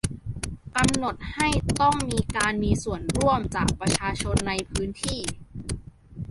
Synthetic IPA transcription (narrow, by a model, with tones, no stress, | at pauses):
ka˧mno˨˩t̪̚ha˥˩jt̪ɔ˥˩ŋmiː˧kaː˧nmiː˧su˨˩ənɾu˥˩əmt͡ɕa̰ː˨˩k̚pɾa˧t͡ɕʰaː˧t͡ɕʰo˧nːa˧jpʰɯː˦˥nt̪ʰiː˥˩